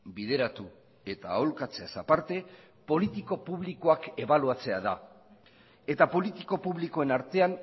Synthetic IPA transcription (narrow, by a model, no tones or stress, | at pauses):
biðe̞ɾat̪u | e̞t̪aːolkat͡se̞asapaɾt̪e̞ | po̞lit̪iko̞puβliko̞ake̞βaluat͡se̞aða | e̞t̪apo̞lit̪iko̞puβliko̞e̞naɾt̪e̞an